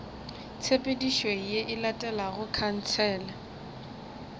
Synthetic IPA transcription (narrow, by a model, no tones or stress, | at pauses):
t͡sʰepʼediʃwejeʔɪlatʼɛlaɣʊkʰan̩t͡sʰɛːla